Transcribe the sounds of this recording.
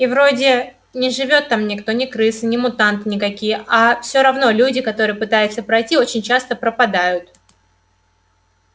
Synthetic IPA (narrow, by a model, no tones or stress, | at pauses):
ivɾo̞dʲɪ | nʲɪʐɨvʲo̞t̪ːamnʲɪkt̪o̞nʲɪkɾɨsɨnʲɪmʊt̪ant̪ɨnʲɪkɐkʲijəʔafsʲoɾɐvno̞lʲudʲɪkɐt̪o̞ɾɨjəpɨt̪ajʊt̪səpɾɐjtʲio̞t͡ɕɪnʲt͡ɕast̪əpɾəpɐd̪ajʊt̪̚